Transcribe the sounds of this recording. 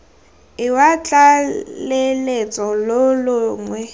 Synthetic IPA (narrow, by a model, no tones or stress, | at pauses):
ɪwat͡ɬʼalelet͡sʼɔlʊlʊŋwɛ